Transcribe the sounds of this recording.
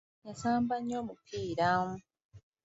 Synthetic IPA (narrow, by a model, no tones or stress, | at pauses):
ɲasaːmbaɲːoːmupʰiːɾaːmu